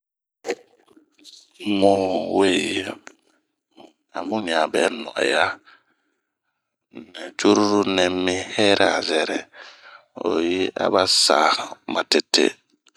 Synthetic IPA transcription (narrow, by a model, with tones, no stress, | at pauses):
mũ˦we˦˨ji˦ | a̰˨mũ˦ɲa˨bɛ˨˦nɔ̰˨ʔa̰˨ja˦ | nɛ˨t͡ʃu˦ɾu˦ɾu˦nɛ˨mːi˦hɛ˦ɾʔa˦˨zɛ˨ɾɛ˨ | o̰˨ji˦ʔa̰˦βa˦sa̰˨ma˨te˨tʰːḛ˦